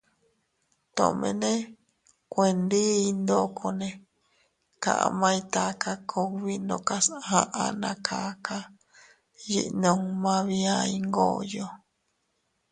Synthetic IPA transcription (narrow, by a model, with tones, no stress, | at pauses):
t̪õ̰˨ʔmḛ̃˧nẽ˦ | kʷe˧˨nd̪ɨ˦i˧nd̪o˦kʰo˧nẽ˧ | ka̰˨ʔa̰˧mã˧ĩ˧t̪a˧ka˧kʰo˧βi˦nõ˧ka˦shã˧ʔa˧nã˧kʰa˧kʰa˦ | jḭ˧ʔnõ˧ŋmã˧βi˧ai˧ŋɡo˦jo˧